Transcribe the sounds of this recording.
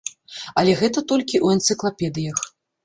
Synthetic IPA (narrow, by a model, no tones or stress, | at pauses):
ɐlʲɛɣɛt̪ɐt̪ɔlʲkʲiʔuɛnt̪sɨklˠapʲɛd̪ɨjɐx